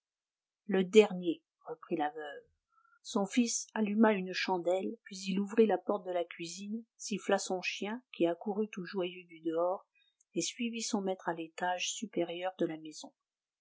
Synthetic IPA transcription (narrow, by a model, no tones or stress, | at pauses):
ləd̪ɛʁnje | ʁəpχilavœv | sɔ̃fisalymaynʃɑ̃d̪ɛlpɥiziluvʁilapɔʁt̪̚d̪əlakʲɥizinsiflasɔ̃ʃjɛ̃kʲiakuʁyt̪uʒwajød̪yd̪əɔːʁ | esɥivisɔ̃mɛt̪χalet̪aʒsypeʁjœʁd̪əlamezɔ̃